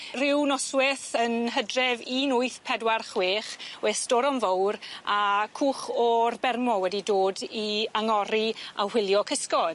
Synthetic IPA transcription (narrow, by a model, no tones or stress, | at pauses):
rɪwnɔswɪθənɦədrɛvinʊɨθpʰɛdwarχweːχwɛstɔɾɔmvowrakʰuːχɔrbɛrmɔwɛdidoːdiaŋɔɾia̰whɪlˠjɔkʰəskɔ